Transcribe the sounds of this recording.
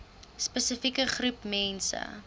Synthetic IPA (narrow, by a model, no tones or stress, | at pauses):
spəsəfikəχrupmɛnsə̰